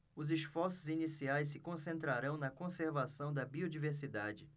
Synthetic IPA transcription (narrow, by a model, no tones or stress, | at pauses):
ʊzɪʃfɔɾsʊzinisiajs̬ːɪkõsẽnt̪ɾaɾɐ̃w̃nɐkõseɾvasɐ̃w̃d̪ɐbiod͡ʒiveɾsid̪ad͡ʒɪ